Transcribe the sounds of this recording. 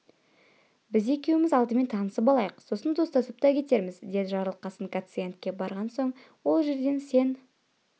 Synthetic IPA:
bɪze̞kʲe̞wmɪzɑlˠd̪əme̞nt̪ʰɑnəsəpɑlˠɑjəqso̞sənd̪o̞st̪ɑsəp̚t̪ɑkʲʰe̞t̪e̞ɾmɪzd̪e̞d̪ɪʒɑɾəlˠəqːɑsənkʰat̪sɨjent̪kʲe̞bɑɾʁɑnso̞ɴ | wo̞lˠʒe̞ɾd̪e̞nse̞n

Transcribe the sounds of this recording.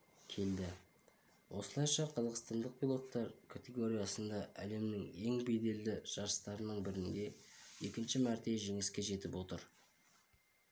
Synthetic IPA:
kʲʰe̞ld̪ɪ | wʔo̞səlˠɑjʃɑqʰɑzɑqəst̪ɑnd̪əq̚pilˠo̞t̪ːɑɾkʰat̪ʲe̞ɡo̞ɾʲijɑsənd̪ɑʔæle̞mnɪŋe̞ŋbe̞jd̪e̞ld̪ɪʒ̥ɑɾəst̪ɑɾənəɴbɪɾɪnd̪e̞je̞kʲɪnʃɪmæɾt̪e̞ʒe̞ŋɪskʲe̞ʒe̞t̪ɪpwo̞t̪ə̰ɾ

